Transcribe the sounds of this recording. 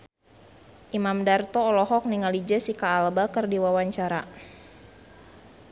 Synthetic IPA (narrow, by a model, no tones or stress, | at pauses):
ʔimamdart̪ɔːlɔɦɔk̚niŋalid͡ʒɛsikaːlbakərdiwawaɲt͡ʃaɾa